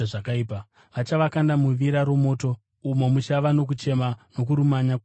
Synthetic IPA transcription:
ʐakaiːpa | ʋat͡ʃaʋakandamuʋiɾaɾomo̞ːto̞ | umo̞mut͡ʃaʋano̞k̬ut͡ʃe̞mano̞kuɾumaɲa

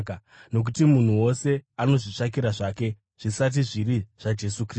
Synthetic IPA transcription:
no̞k̬utimun̤uwo̞se̞ano̞ʐit͡ʂak̬iɾaʐaːke̞ | ʐ̥isat̬iʐiɾiʐ̥ad͡ʒe̞sukri

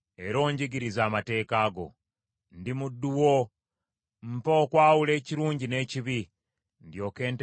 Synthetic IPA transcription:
e̞ɾo̞ːɲɟiɡiɾizaːmate̞ːkaːɡo̞̰ | ndimudːuwo | m̩poːkwaːwule̞ːciɾuːɲɟine̞ːciβi | ndjo̞ːke̞ːnt

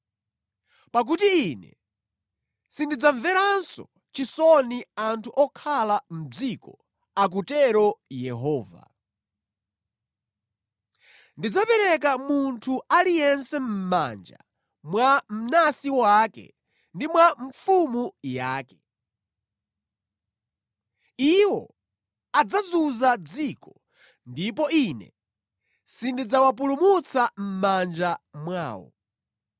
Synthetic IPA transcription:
pak̬utiːnɛ̰ | sindid͡zaɱvɛɾansɔ̰ | t͡ʃisɔniantʰuʔɔkʰalam̩b͡ʐikɔ | ak̬utɛɾɔjɛɦɔːva̰ | ndid͡zapɛɾɛk̬amuntʰualijɛnsɛm̩ma̰nd͡ʒa̰ | mwam̩nasiwaːkɛ̰ | ndimwaɱfumujaːkɛ̥ | iwɔ | ad͡zazuzad͡zikɔ | ndip̬ɔinɛ̰ | sindid͡zawap̬ulumut͡sam̩mand͡ʒamwa̰ːwɔ̰

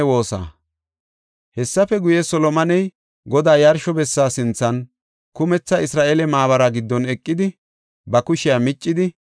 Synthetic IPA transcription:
wo̞ːsa̰ː | hɛsːɐfɛɡʊjɛsɔlɔmɐnɛj | ɡɔd̪aːjɐɾʃɔbɛsːaːsɪnt͡sːɐn | kʊmɛt͡sːɐʔɪsɾaːʔeːlɛmaːβɐɾɐɡɪd̪ːɔnɛkʼːɪd̪ɪ | bɐkʊʃɪjamɪt͡ʃʼːɪd̪ɪ

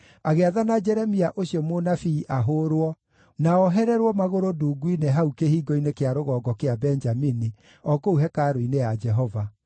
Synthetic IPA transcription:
aɣeaðanad͡ʒɛɾɛmiaʔoɕiɔmonafiːʔaɦoɾwɔ | naɔɦɛɾɛɾwɔmaɣoɾoduːɡwineɦaukehiːɡɔinekeaɾoɣɔːɡɔkeabɛnd͡ʒamini | ɔkouɦɛkaɾoinejad͡ʒɛɦɔva

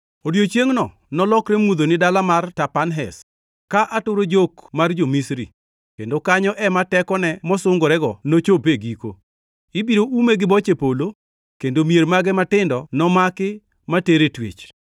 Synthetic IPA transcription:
odjot͡ʃjeŋnɔ | nɔlɔkɾemud̪onɪdalamartapanɦɛs | kaʔatʊɾod͡ʒokmard͡ʒomisɾḭ | kendokaɲɔʔɛmatɛkɔnɛmɔsʊŋɡoɾɛɡɔnot͡ʃopeɡiko̰ | ɪbiɾoumeɡɪbɔt͡ʃepolo | kendomiermaɡɛmatɪndɔnɔmakɪ | mateɾetwḛt͡ʃ

